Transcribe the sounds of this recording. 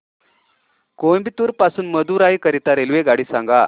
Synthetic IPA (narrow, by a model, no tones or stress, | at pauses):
kojmbit̪uːɾpasuːnməd̪ʱuɾajkəɾit̪aɾelʋeɡaɽiːsãŋɡa